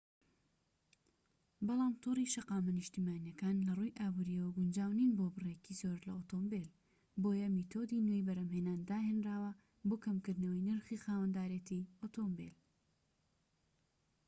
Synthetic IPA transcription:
bɑlˠaːmt̪ʰuriʃɐqaːmɐnɨʃt̪iːmaːnijɐkaːnlɐrujʔaːbuːɾijɐwɐɡʊnd͡ʒaːwninboːbɨrekizoːɾlɐot̪ʰombel | boːjɐmit̪ʰoːd̪inwejbɐɾɐmhenaːnd̪aːɦenɾaːwɐ | boːkɐmkɨɾd̪nɐwɐjnɨɾxixaːwɐnd̪aːɾet̪iot̪ombḛl

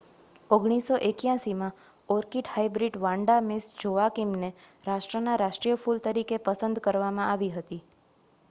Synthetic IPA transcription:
oɡɽ̃isoʔekjãsimã | ɔɾkiʈhaibɾiɖʋãɳɖamɪsd͡ʒoakimneɾaʃʈɾənaɾaʃʈɾijəfʰult̪əɾikepəsənd̪kəɾʋamãaʋiɦət̪i

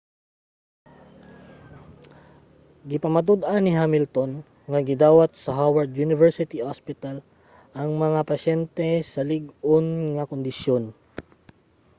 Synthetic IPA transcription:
ɡɪpɐmɐd̪ud̪ʔɐnɪɦamɪlt̪o̞n | ŋɐɡɪd̪aːwɐt̪̚sɐɦawɐɹd̪junɪvɛɹsɪt̪ihospɪt̪ɐl | ʔɐŋmɐŋapɐʃɛnt̪ɛsɐlɪɡonŋɐkond̪ɪsjon

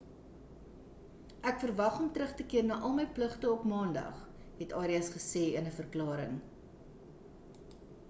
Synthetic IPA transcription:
ʔækfərvɐχɔmtɾəχtəkiərnɑːʔɐlˠməjpləχtəɔpmɑːndɐ̰χ | ɦɛtɑːɾiɐsχəseːənəfərklɑːɾəŋ

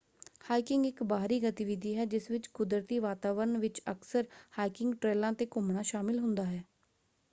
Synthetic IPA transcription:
haːikɪŋɡɪkbaːɦɾiːɡət̪ɪʋɪd̪ʱiːɦɛːd͡ʒɪsʋɪt͡ʃkʊd̪ɾət̪iːʋaːt̪aːʋəɾəɳʋɪt͡ʃəksəɾhaːikɪŋɡʈɾeːlãːt̪eːkʊmɳaːʃaːmɪlɦʊnd̪aːɦɛː

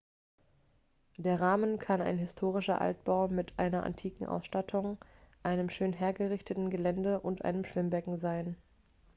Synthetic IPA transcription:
d̥eːɐʁaːmənkʰana̰ɪnɦɪstʰoːʁ̞ɪʃɐ̰ʔa̰lt̚b̥aʊmɪtʔa̰ɪnɐʔa̰ntʰiːkŋ̩ʔa̰ʊsʃtatʰʊŋʔaɪnəmʃøːnɦeːɐɡəʁɪçtətn̩ɡəlɛndəʔʊntʔa̰ɪnəmʃv̥ɪmbɛkŋ̩zaɪn

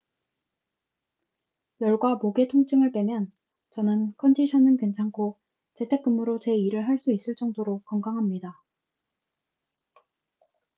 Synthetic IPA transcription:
jʌɭɡwamoɡe̞tʰoŋt͡ɕ͈ʰɯŋɯɭp͈e̞mjʌn | t͡ɕʌnɯnkʰʌndiɕʰʌnɯnkent͡ɕʰaŋkʰo | t͡ɕe̞tʰe̞k͈ɯmɯɾot͡ɕe̞iɾɯɭɦaɭs͈uis͈ɯɭt͡ɕ͈ʌŋdoɾokʌŋɡaŋɦamɲida

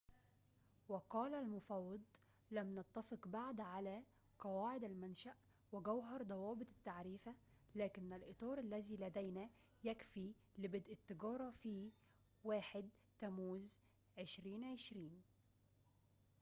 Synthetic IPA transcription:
wɪqɑːlalmʊfɑwːɑd̪ˤ | læmnɑt̪ːɑfɪqbaʕd̪ʕalæː | qɑwaːʕɪd̪ælmænʃaʔ | wɪɡawɦɑɾˤd̪ˤɑwɑːbɨt̪ˤɪ̥t̪ːaʕɾiːfa | læːkɪnːalʔɨt̪ˤɑːɾˤʔalːæziːlæd̪æjnæ | jækfiː | lɪbɪd̪ʔɪt̪ːɪɡɑːɾˤɑfiː | waːħɪd̪̚t̪æmuːz | ʕɪʃɾiːnʕɪʃɾiːn

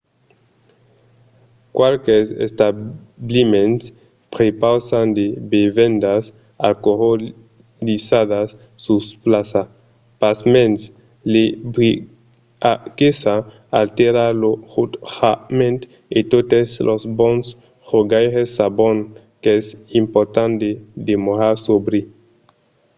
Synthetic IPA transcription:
kwalkesḛst̪ablimens | pɾepawsand̪ebevend̪as | a̰lkoho | lisaðasː | usplasa | pasmẽns | lebi | akesa | alt̪eɾaɾlohut̪hamẽnt̪ | et̪ot̪eslʔosbõns | χoɡajʁesaboŋ | keɛsimpoɾt̪and̪ed̪emoɾaɾsobɾi

